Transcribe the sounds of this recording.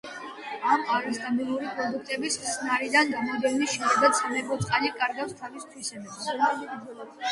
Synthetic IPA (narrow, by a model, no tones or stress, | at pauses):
amaɾist̪ʼabilˠuɾipʼɾɔd̪uk̚ʰt̪ʼɛbisssʰnaɾid̪anɡamɔd̪ɛniʃiɾɛd̪asʰamɛkɔt̪sʼqʼalikʼaɾɡafst̪ʰavist̪ʰwisɛbɛbs